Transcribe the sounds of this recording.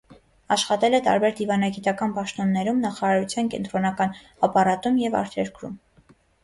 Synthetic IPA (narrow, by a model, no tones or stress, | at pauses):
ɑʃχɑt̪ɛlɛt̪ɑ̰ɾbɛɾd̪ivɑnɑɡit̪ɑkɑnpɑʃt̪ɔnːɛɾumnɑχɑɾɑɾut͡sʰjɑnkɛ̰nt̪ɾɔnɑkɑn | ɑpɑɾɑt̪umjɛvɑ̰ɾt̪ʰɛɾkɾṵm